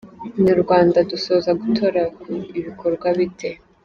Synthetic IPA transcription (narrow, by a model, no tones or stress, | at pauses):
ɲuɾɡwaːndaduso̞ːzaɡutʰo̞ɾakuiβikʰo̞ɾɡwaβitʰe̞